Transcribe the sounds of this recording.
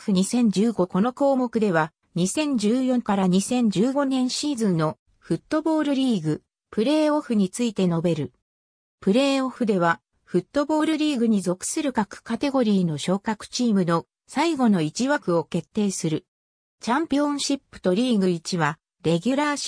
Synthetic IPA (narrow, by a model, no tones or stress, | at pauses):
ɯ̟ɲ̟isẽ̞ɲ̟d͡ʑɨːɡo̞ko̞no̞ko̞ːmo̞kɯ̟d̪e̞βa | ɲ̟isẽ̞ɲ̟d͡ʑɨːjõ̞ŋkaɾaɲ̟isẽ̞ɲ̟d͡ʑɨːɡo̞nẽ̞ɰ̃ɕiːzɨ̃nːo̞ | ɸɯ̟t̪ːo̞bo̞ːɾɯ̟ɾʲiːɡɯ̟ | pɯ̟ɾe̞ːo̞ɸɯ̟ɲ̟it͡sɨit̪e̞no̞be̞ɾɯ̟ | pɯ̟ɾe̞ːoɸɯ̟d̪e̞β̞a | ɸɯ̟t̪ːo̞bo̞ːɾɯ̟ɾʲiːɡɯ̟ɲ̟izo̞kɯ̟̥sɨɾɯ̟kakɯ̟̥kat̪e̞ɡo̞ɾʲiːno̞ɕo̞ːkakɯ̟̥t͡ɕiːmɯ̟no̞ | saiɡo̞no̞it͡ɕiβakɯ̟o̞ke̞t̪ːe̞ːsɨɾɯ̟ | t͡ɕãmpʲiõ̞ɕipːɯ̟̥t̪o̞ɾʲiːɡɯ̟it͡ɕiβa | ɾe̞ɡʲɯɾaɕ